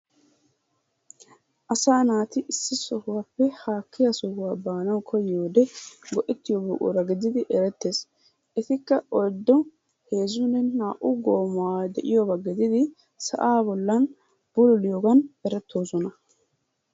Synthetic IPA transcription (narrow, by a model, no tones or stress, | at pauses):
ʔɐsaːnaːt̪ɪʔɪsːɪsɔhʊwapːɛhaːkːɪjasɔhʊwaːbaːnɐwkʰɔjːoːd̪ɛɡɔʔɛt̪ːɪjɔbuːʔṵɾɐɡɪd̪ɪd̪ɪʔɛɾɛt̪ːe̞ːs | ʔɛt̪ɪkːɐɔjd̪ːɔ | he̞ːzʊnːɛnaːʔʊɡo̞ːmɔwaːd̪ɛʔɪjɔbɐɡɪd̪ɪd̪ɪ | sɐ̰ʔaːbɔlːɐn | b̥ʊlʊlɪjoɡɐnɛɾɛt̪ːo̞ːsɔnɐ